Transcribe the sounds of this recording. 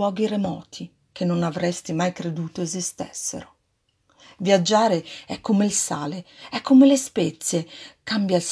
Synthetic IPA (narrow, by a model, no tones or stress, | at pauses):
ɔːɡiremɔːt̪ʰi | k̟enːonavɾɛst̪imajkɾed̪uːt̪oezist̪ɛ̰sːḛɾo | vjad͡ʒːaːɾeɛkʰːomeilsa̰ːleɛkːomelespɛt̪sːjekambjals